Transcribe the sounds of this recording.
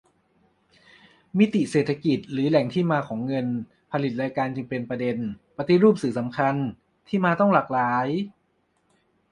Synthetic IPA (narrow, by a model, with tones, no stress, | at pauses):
mi˦˥t̪i˨˩ʔseː˨˩t̪ʰːa˧ki˨˩t̪̚ɾɯː˩˦lɛ˩˦ŋt̪ʰiː˥˩maː˧kʰɔː˩˦ŋːɤ˧n | pʰa˧li˨˩t̪̚ɾaː˧jkaː˧nt͡ɕɯ˧ŋpe˧npɾa˧de˧npa˧t̪i˨ɾuː˥˩p̚sɯː˩˦sa˩˦mkʰa˧n | t̪ʰiː˥˩maː˧t̪ɔ˥˩ŋlaː˨˩k̚laː˩˦j